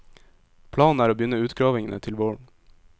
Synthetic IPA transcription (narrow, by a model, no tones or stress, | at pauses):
pʰlɑːnn̩æːɾoːbjʏnəʉːt̪ɡɾɑːʋɪŋənə̰t̪ʰɪlʋɔːɹm